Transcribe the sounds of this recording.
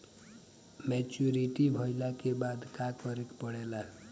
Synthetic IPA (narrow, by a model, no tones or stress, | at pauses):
met͡ʃuɾiʈibʱʌjlakebad̪kakʌɾekpʌɽela